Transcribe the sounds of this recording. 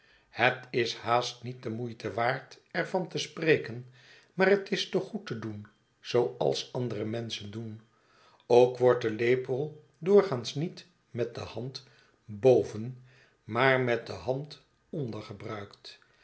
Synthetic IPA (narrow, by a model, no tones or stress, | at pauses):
hətɪshaːstnit̚dəmujtəʋaːɹt | ɛɹvɑntəsprejkən | maːɾɦətɪstoχutədun | z̥owɑ̰lˠsɑndərəmɛnsəndun | owkʋɔɹt̚dəlejpəlˠ | dʊːɹχaːnsnit | mɛt̚dəhɑnt | bowvən | maːɹmɛt̚dəɦɑnt | ɔndəɹχəbrœɥkt